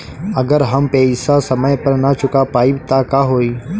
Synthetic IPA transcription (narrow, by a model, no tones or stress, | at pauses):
əɡəɾɦəmpɛːisasəməjpəɾnat͡ʃʊkapaːibt̪akaːɦoːiː